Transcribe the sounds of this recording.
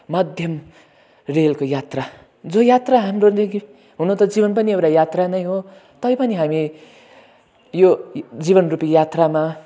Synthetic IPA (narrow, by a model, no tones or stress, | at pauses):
mʌd̪ʱjʌm | relkojat̪ra | d͡zojat̪raɦamrod̪eki | ɦunot̪ʌd͡zibʌnpʌniewɾajat̪ranʌjɦo | t̪ʌjpʌniɦami | jod͡ziβʌnrupijat̪rama